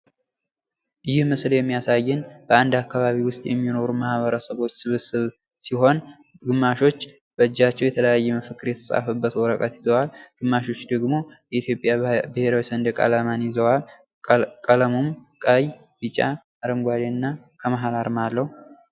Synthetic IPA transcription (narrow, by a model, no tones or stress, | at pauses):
ʔɨjɪhmɨsljɛmːijasajːɪnb̥əand̪akːaβaβiwʊst̪ʼjʔɛ̰mːino̞ɾumahβəɾəsəβo̞t͡ʃːsɨβɨsɨβ | siɦo̞n | ɡɨmːaʃo̞t͡ʃː | b̥əɨd͡ʒːat͡ʃːɛwjɛt̪ʰələjajːɛməfəkːɨɾjɛt̪ʰəsʼa̰fəbːət̪wɔɾəkʼət̪jɪzəwalɡ̥ɨmːaʃo̞t͡ʃːd̪əɡmojɛit̪jo̞pʼjabɨhe̞ɾawisənd̪ɨkʼa̰lamanjɪzəwal | kʼələmomkʼəj | bit͡ʃʼa̰ | ɾəmɡʷad̪eɨnːa | kʰəməɦalaɾmalːəhu